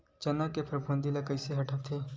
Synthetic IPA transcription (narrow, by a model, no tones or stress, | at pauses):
t͡ʃɐnakepʰəɾbʱũnd̪ilakɐɪseɦɐʈʰəʋt̪ʰeː